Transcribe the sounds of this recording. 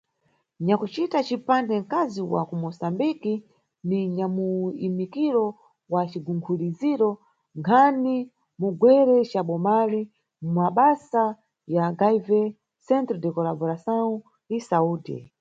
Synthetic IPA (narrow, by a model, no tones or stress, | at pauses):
ɲakut͡ʃitat͡ʃipandɛŋ̩kaziwa̰kumɔsambiki | niɲamuimikiɾɔ | wat͡ʃiɡuŋɡʰuliziɾɔ | ŋkʰani | muɡwɛɾɛt͡ʃaɓɔmali | mmaɓasa | jaɡaivɛ | sɛntɾɛdɛkɔlabɔɾasau | isauːdɛ̰